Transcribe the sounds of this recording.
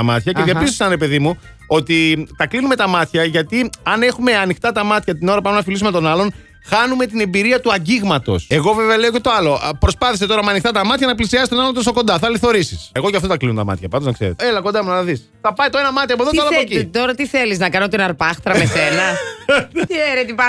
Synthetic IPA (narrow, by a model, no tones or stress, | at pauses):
ɐmɐt̪çɐceðiɐpiz̬osɐnɾepe̞ðimu | o̞t̪it̪ɐklinumet̪ɐmɐt̪çɐʝɐt̪iɐne̞xume̞ɐnixt̪ɐt̪ɐmɐt̪çɐt̪ino̞ɾɐpuɐmenɐfilis̬umet̪o̞nɐlo̞n | xɐnume̞t̪ine̞mbiɾiɐt̪uɐɲɟiɣmɐt̪o̞̰se̞ɣo̞veveɐleoce̞t̪oɐlo̞pɾo̞spɐθis̬eo̞ɾɐmɐnixt̪ɐt̪ɐmɐt̪çɐnɐplisiɐsist̪onɐlont̪oso̞ko̞nd̪ɐθɐliθo̞ɾisise̞ɣo̞ʝɐft̪ot̪ɐklinont̪ɐmɐ̰t̪çɐpɐnd̪oznɐkseɾet̪eelɐko̞nd̪ɐmunɐɐðis | θɐpɐjt̪oe̞nɐmɐt̪̬iɐpoðot̪ɐlɐpocit̪oɾɐt̪iθeliznɐkɐnot̪inɐɾpɐxt̪ɾɐmesenɐ | eɾet̪ipɐ